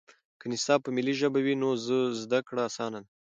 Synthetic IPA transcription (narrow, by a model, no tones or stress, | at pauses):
kənɪsɑb̚pəmɪliʒəbawinozəzd̪akɽaasɑnan